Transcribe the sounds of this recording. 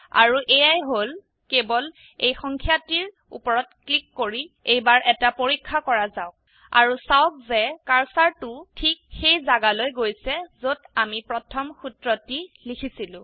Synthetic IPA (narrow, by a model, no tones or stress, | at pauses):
a̰ɹuʔejajɦol | kebɔl | ejxɔŋkʰjatiɹ | ṵpɔɹɔtklikːoɹiejbaɹʔɛtapoɹikʰːakɔɹazaʊk̚ | a̰ɹusawk̚zɛkaɹsaɹtʊtʰik̚xejzaɡalojɡojsɛzodamipɹɔtʰɔmxutɹɔtilikʰisilʊ̃